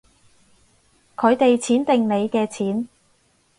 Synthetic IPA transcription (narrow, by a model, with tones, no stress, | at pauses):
kʰɵ˨˧ɥt̪e˨jt͡sʰiː˨˥nt̪ɪ˨ŋne˨˧jkɛː˧t͡sʰiː˨˥n